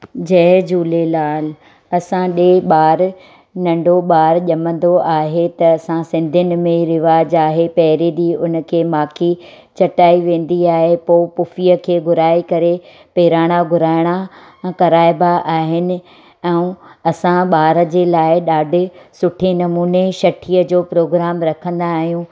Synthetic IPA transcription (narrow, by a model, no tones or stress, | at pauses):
d͡ʑɐɦd͡ʑuːlelaːl | ɐsãɗeːɓaːɾ | nɐ̃ɳɖoɓaːɾʄɐmə̃n̆d̪oʔaːɦet̪ɐːsãsɪ̃nd̪ʱʊnɪ̆mẽɾɪʋaːd͡ʑaːɦepɐɦɪɾeɗ̪iʊnəkʰeːmaːkʰi | t͡ɕɐʈaːiʋẽːn̆d̪iaːɦepoːpʊfijəkʰeːɡʱʊɾaːikɐɾe | peːɾaːɽ̃aɡʱʊɾaːɪɽ̃a | kɐɾaːɪbaʔaːɦɪnɪ̆ | ɛ̃ũɐsãɓaːɾəd͡ʑeːlaːɪɗaːɖʱɪ̆sʊʈʰinɐmuːneʃɐʈʰiːəd͡ʑoːpɾoːɡɾaːmɾɐkʰə̃nd̪aːɦijũ